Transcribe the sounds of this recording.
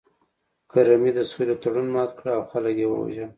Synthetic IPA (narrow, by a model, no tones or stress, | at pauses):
kəɾamid̪əsolot̪aɽunmɑt̪kɽaawxaləkjewə̰wa̰ʒəl